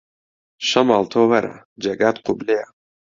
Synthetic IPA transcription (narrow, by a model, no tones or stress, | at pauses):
ʃɐmalt̪ʰowɐɾa̰ | d͡ʒɐɡat̪qʊblea